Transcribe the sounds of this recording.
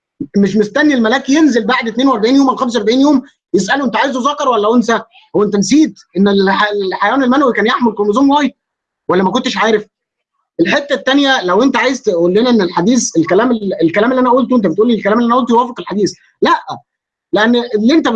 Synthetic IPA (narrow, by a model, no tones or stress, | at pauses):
meʃmest̪ænːilmælæːkijenzelbaʕd̪et̪neːnweʔɑɾˤbaʕiːnjoːmʔalxæmsˤʔɑɾˤbaʕiːnjoːm | jesʔæloʔent̪æʕaːjezozɑkːɑɾˤwælːæwensæ | æwʔent̪ænsiːd̪ʔenːelħlħajæwæːnelmænwikæːnjaħmelkolmozɑːmwɑjt̪̚ | wælːæmækont̪ːeʃʕaːɾef | ʔelħet̪ːæt̪ːænjælæwʔent̪æʕaːjezt̪ʔulːenæʔenːelħad̪iːselkælæːmelelkælæːmelːiʔænæʔuːlt̪oʔent̪æbet̪ʔuːlːilkælæːmelːiʔænʔult̪ojwæːfeqelħad̪iːs | læʔ | leʔænːlːiʔent̪æ